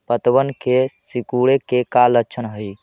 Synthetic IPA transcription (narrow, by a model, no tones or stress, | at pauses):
pət̪bənkesikuɽekekalətːt͡ʃʰənɦəj